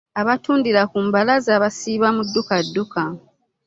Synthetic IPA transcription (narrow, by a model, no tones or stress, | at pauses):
aβatuːndiɾakumbalazaːβasiːβamudːukadːuka